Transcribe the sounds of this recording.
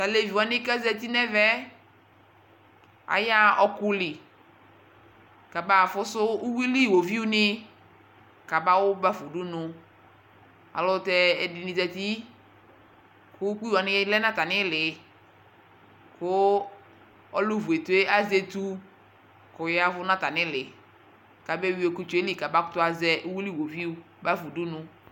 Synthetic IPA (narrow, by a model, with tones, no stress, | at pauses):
ta˨le˨vi˨wa˨˦nɪ˦ka˦zɛ˦t̪̬i˦nɛ˦vɛ˦ | a̰˨ja˦ɔ˦kʊ˦lɪ˨ | ka˨ba˨fʊ˦sʊ˦u˦wi˦li˦˨wo˨vi˦ʊ˦nɪ˦ | ka˨ba˦wʊ˦ba˦fʊ˨du˦nʊ˨ | a̰˨lʊ˦tɛ˦ɛ˨dɪ˨nɪ̃˨zɛ˨t̪i˦ | kʊ˦k͡pi˦wa˨nɪ˦lɛ˦nã˦ta˨nɪ˦lɪ˨ | kʊ˦ | ɔ˦lʊ˦vu˨e˨tu˨˦e˦a˦ze˨tu˦ | kʊ˨ja˦vʊ˦nã˦ta˨nɪ˦lɪ˨ | ka˨bɛ˦˨wi˦o˨ku˦t͡ʃe˦li˦˨ka˨ba˦kʊ˦tʊ˦a˨zɛ˦ʔu˦wi˦li˦˨wo˨vi˦u˦ | ba˦fu˨du˦nʊ˦